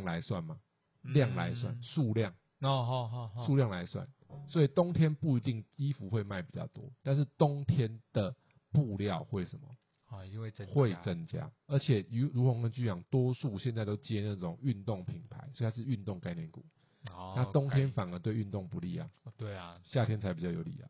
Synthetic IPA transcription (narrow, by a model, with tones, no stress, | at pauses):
ŋla˧˦ɪswa˥˩nma˩ | lja˥˨ŋla̰˧˦ɪswa̰˥˨nsu˥˧ljɑ˥˩ŋ˧ | su˥˧ljɑ˥˩ŋla˧˦ɪswa̰˥˩nswɔ˧˥i˨t̪ɔ˦ŋt̪ʰjɛ˥˦npu˥˩˨i˧t̪i˥˩ŋi˦fu˨˦xwe˥˧ɪma˥˩ɪpi˨˩t͡ɕɑ̰˥˩ʊt̪wɔ˦t̪a˥˧nʂ̬̩˥˩t̪ɔ˦ŋt̪ʰjɛ˦nd̪̥ə˨ | pu˥˧ljɑ˥˨ʊxwe˥˩ɪʂə˨˩nmə̰˨˩ | xwe˥˨ɪt͡sə˦˥nt͡ɕja̰˦ | ə˨˧˦t͡ɕʰjɛ˨˩˧ɻu˧˥kŋkə˧˥nt͡ɕy˥jɑ˨˩ŋt̪wɔ˦su˥˧ɕjɛ˥˧nt͡sa˥˧ɪt̪ɔ˥ʊt͡ɕjɛ˥n˥˧˩t͡sə˥˩t͡sɔ˨˩ŋy˥˧nt̪o˥˨˩ŋpʰi˨˩npʰa˨˦ɪswt̪ʰa˥ʂɻ̩˥˧y˥˧nt̪o˥˧ŋka˥˧ɪnjɛ˥˩nkṵ˨˩˦ | na˥˨t̪ɔ˥˦ŋt̪ʰjɛ˥˦nfa˨˩nə˧˦t̪we˥˧ɪy˥˧nt̪o˥˩ŋpu˨˦lḭ˥˨ja̰˨˩t̪we˩ɕja˥˨t̪ʰjɛ˥nt͡sʰa˧˦ɪpi˨˩t͡ɕjɑ˥˩ʊjo˨˩ʊlḭ˨˩ja̰˨˩